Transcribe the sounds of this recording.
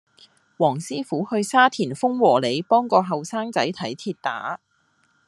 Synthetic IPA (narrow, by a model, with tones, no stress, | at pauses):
wɔː˨˩ŋsiː˥fuː˨˥hɵ˧ɥsaː˥t̪ʰiː˨˩nfʊ˥ŋwɔː˨˩le˨˧jpɔː˥ŋkɔː˧ɦɐ˨wsaː˥ŋt͡sɐ˨˥jt̪ʰɐ˨˥jt̪ʰiː˧t̚t̪a̰ː˨˥